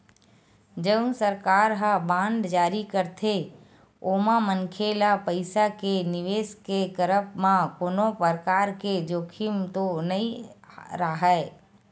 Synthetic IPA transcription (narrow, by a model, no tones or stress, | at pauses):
d͡ʒəʊ̃nsəɾkaːɾɦabãːnɖ̪d͡ʒaːɾikəɾt̪ʰe | oːmamənkʰelapəɪsakenɪʋeːsket̪əɾəp̚ʰmãkoːnõpəɾkaːɾked͡ʒoːkʰɪmt̪onəĩɾaɦɛː